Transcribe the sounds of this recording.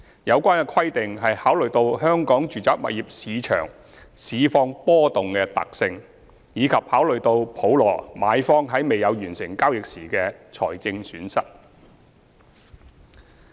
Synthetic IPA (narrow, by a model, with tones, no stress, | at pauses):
jɐ˨˧wkʷaː˥nkɛ˧kʰwɐ˥jt̪ɪ˨ŋɦɐ˨jhaː˨˥wlɵ˨˩ɥt̪o˧whœː˥ŋkɔː˨˥ŋt͡ʃyː˨t͡saː˨˥k̚mɐ̰˨t̚jiː˨p̚siː˨˧t͡ʃʰœ̰ː˨˩ŋ | siː˨˧fɔː˧ŋpɔː˥t̪ʊ˨ŋkɛ˧t̪ɐ̰˨k̚sɪ˧ŋ | jiː˨˧kʰɐ˨p̚haː˨˥wlɵ˨˩ɥt̪o˧wpʰo˨˥wlɔ̰ː˨˩maː˨˧jfɔː˥ŋɦɐ˨˥jme˨jɐ˨˧wjyː˨˩nsɪ˨˩ŋkaː˥wjɪ˨k̚siː˨˩kɛː˧t͡ʃʰɔ̰ː˨˩jt͡sɪ˧ŋsyː˨˥nsɐ˥t̚